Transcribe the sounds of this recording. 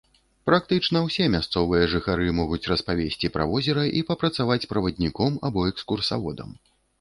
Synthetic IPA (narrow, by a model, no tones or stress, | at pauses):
pɾak̚t̪ɨt͡ʂnɐwsʲɛmʲast̪sɔvɨjɐʐɨxaɾɨmɔɣut͡sʲrɐspavʲesʲt͡sʲipɾa̰vɔzʲɛɾɐʔipɐpɾɐt̪savat͡sʲpɾɐvɐd̪ʲnʲikɔmabɔɛkskursa̰vɔd̪ɐ̰m